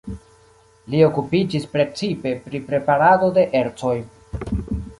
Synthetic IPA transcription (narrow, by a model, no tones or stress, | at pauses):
lio̞kupid͡ʒispɾe̞t͡sipe̞pɾipɾe̞paɾado̞de̞ʔe̞ɾt͡so̞j